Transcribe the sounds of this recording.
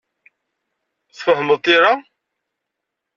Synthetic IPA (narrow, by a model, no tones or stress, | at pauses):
θfəhəməðt̪iɾa